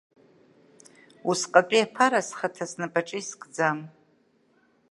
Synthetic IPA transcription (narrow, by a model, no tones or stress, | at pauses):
usqʼapʼiapʰaɾasχatʰasnapʼaʈ͡ʂʼiskʼd͡zam